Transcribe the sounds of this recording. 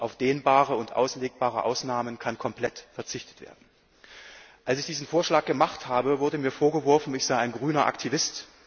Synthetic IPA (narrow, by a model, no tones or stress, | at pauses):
ʔaʊfd̥eːnbaːʁəʊntʔa̰ʊsleːk̚b̥aːʁəʔaʊsnaːmənkʰankʰɔmpl̥ɛtfɛɐt͡sɪçtə̥tv̥ḛːɐdn̩ | ʔalsɪçd̥iːzn̩foːɐʃlaːk̚ɡ̥əmaχthaːbəvʊɐdəmiːɐfoːɐɡəvɔɐfn̩ɪçz̥aɪaɪnɡʁyːnɐʔa̰ktʰivɪst